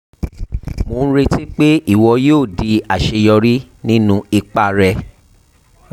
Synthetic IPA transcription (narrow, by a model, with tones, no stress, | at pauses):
mõː˨˦n̩˦ɾe˧ti˦k͡pe˦i˦˨wɔ˧joː˦˨di˧˦a˨ʃe˧jɔ˧ɾi˦ | nĩ˦nũ˦i˧k͡pa˧ɾɛ˧